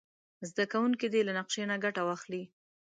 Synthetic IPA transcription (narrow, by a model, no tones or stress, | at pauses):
zd̪akawuŋkid̪elanaqʃenaɡaʈawaxli